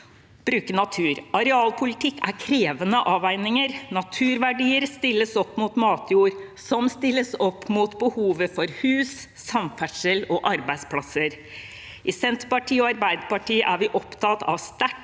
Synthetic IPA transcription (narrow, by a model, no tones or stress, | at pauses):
b̥ɾʉːkənɑt̪ʰʉːɾʔɑɾɛɑːlpʰʊlɪt̪ʰɪkːæ̰ɾkʰɾeːʋənəʔɑːʋæɪnɪŋəɾnɑt̪ʰʉːɾʋæɖiːəɾst̪ɪlːəsɔpːmuːt̪mɑːt̪ʰjuːɾ | sɔmst̪ɪlːəsɔpːmuːt̪bəhuːʋəfɔɾhʉːs | sɑmfæʂəlɔʔɑɾbæɪspʰlɑsəɾ | ʔɪsɛnt̪pɑʈʰiːɔɑɾbæɪd̪əpɑʈʰiːəʔæɾʋɪʔɔpt̪ʰɑt̪ɑ̰ʋst̪æʈ